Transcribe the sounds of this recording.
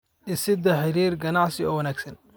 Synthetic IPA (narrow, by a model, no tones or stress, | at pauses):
ʔɪsɪd̪ɐħɪɾiːrɡɐnaʕsɪɔ̰ːwɐnæːɡsɐn